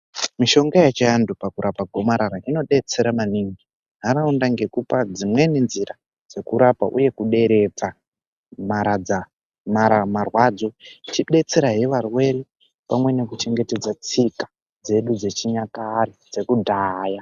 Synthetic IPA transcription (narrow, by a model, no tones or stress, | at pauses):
miʃo̞ŋɡajat͡ʃaandupakuɾʔapaɡʱo̞maɾaɾaʔino̞ɗe̞t͡se̞ɾamaniŋɡi | ɦaɾaundaŋɡe̞kupad͡zimwe̞ne̞nziɾa | d͡ze̞kuɾapa̰ʔuje̞kuɗe̞ɾe̞p͡fa | maɾad͡za | maɾamarwad͡zo̞it͡ʃiɗe̞t͡se̞ɾaɦeʋarwe̞ɾi | pamwe̞ne̞kut͡ʃe̞ŋɡe̞te̞d͡zat͡sikḁ | d͡ze̞ɗud͡ze̞t͡ʃiɲakaɾid͡ze̞kudʱaja